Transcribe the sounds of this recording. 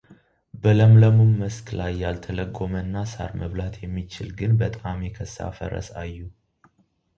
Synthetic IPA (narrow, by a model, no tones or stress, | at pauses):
bələmləmumːəsklajːalt̪ʰələɡo̞mənːasa̰ɾməβlat̪ʰjɛmːit͡ʃɪlɡɨnbət̪ʼamjɛkʰəsa̰fə̰ɾə̰sajːu